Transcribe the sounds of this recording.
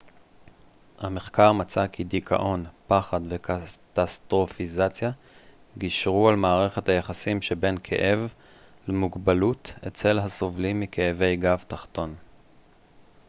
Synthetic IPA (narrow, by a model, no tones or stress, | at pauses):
hame̞χkaʁmat͡sakʰidikʰa̰ʔo̞npaχadvekatastʁo̞fizat͡sja | ɡiʃʁualmaːʁe̞χethajeχasimʃebe̞nkʰḛʔe̞v | lemuɡbalutet͡se̞lɦaso̞vlimːikʰeːve̞jɡavt̪aχt̪o̞n